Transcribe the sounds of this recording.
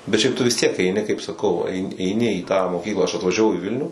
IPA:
bʲɛt ʃʲɛɪp tʊ ʋʲɪs tʲiɛk ɛɪˈnʲɪ kɐɪp sɐˈkɐʊ ɐɪ ɛɪˈnʲɪ iː tɑː moːˈkʲiːklˠɑː ɐʃ ɐtʋɐʒʲɛˈʋɐʊ ɪ ˈʋʲɪlʲnʲuː

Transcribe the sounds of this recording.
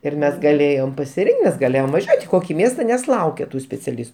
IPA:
ɪr ˈmʲɛs ɡɐˈlʲeːjoːm pɐsʲɪˈrʲɪŋkt ˈmʲɛs ɡɐˈlʲeːjoːm ʋɐˈʒʲuɔtʲ ɪ ˈkoːkʲɪ ˈmʲiɛstɐ nʲɛs ˈlˠɐʊkʲɛ ˈtuː sʲpʲɛt͡sʲɛˈlʲɪs

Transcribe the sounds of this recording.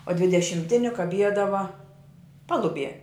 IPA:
oː dʲʋʲɪdʲɛʃʲɪmʲˈtʲɪnʲɪ kɐˈbʲiɛdɐʋɐ ˈpɑːlˠʊˌbʲiɛ

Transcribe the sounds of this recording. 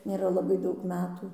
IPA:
nʲeːˈrɐ lˠɐˈbɐɪ ˈdɐʊk ˈmʲæːtuː

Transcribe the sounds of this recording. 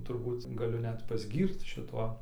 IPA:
tʊrˈbuːt ɡɐˈlʲʊ ˈnʲɛt pɐzʲˈɡʲiːrt͡s ʃʲɪˈtuɔ

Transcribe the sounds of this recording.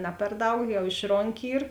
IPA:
ˈnɐ pʲɛr ˈdɐʊk jɛʊ ˈɪʃroːŋʲˌkʲɪ ˈiːr

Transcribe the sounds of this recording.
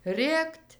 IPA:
ˈrʲeːktʲ

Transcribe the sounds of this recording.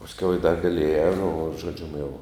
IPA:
pɐsʲˈkʲɛʊ jɛʊ ɪ dɐr ɡɐˈlʲeːjɛ nʊ ʒoːˈd͡ʒʲʊm jɛʊ

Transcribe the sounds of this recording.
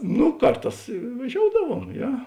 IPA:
nʊ ˈkɐrˌtɑːs ʋɐˈʒʲoːʊdɐʋuɔm ˈjɛ

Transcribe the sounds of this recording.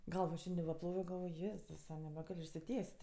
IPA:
ˈɡɐlˠʋoː ˈʃʲɛnʲdʲɪ ʋɐ ˈplˠoːʋʲoː ɡɐlˠˈʋoːj ˈjeːzʊsɐ nʲɛbʲɛˈɡɐlʲ ɪʃʲsʲɪˈtʲiɛsʲtʲ

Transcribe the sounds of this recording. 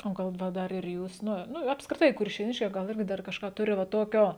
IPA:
oː ˈɡɐlˠ ˈʋɐ ˈdɐr ɪr ˈjuːs ˈnʊ ˈnʊ ɐpskrʲɪˈtɐɪ kʊrʲʃʲeːˈnʲɪʃʲkʲɛɪ ˈɡɐlˠ ˈɪrʲɡʲɪ ˈdɐr kɐʃˈkɑː ˈtʊrʲɪ ʋɐ ˈtoːkʲoː

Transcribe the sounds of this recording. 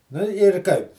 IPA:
nʊ ɪr ˈkɐɪp

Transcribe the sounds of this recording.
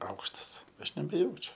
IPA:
ˈɐʊkʃtɐs ˈɐʃ nʲɛbʲɛˈjɛʊt͡ʃʲʊ

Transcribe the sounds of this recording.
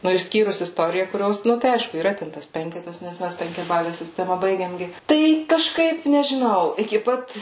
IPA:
nʊ ɪʃʲˈsʲkʲiːrʊs ɪsˈtoːrʲɪjɛ kʊˈrʲoːs ˈnʊ tɐɪ ˈɐɪʃkʊ iːˈrɐ ˈtʲɛn tɐs ˈpʲɛŋʲkʲɛtɐs nʲɛs ˈmʲæs pʲɛŋʲkʲɛˈbɑːlʲɛ sʲɪˈsʲtʲæːmɐ ˈbɐɪɡʲeːm ˈɡʲɪ ˈtɐɪ kɐˈʃkɐɪp nʲɛʒʲɪˈnɐʊ ɪkʲɪ ˈpɐt

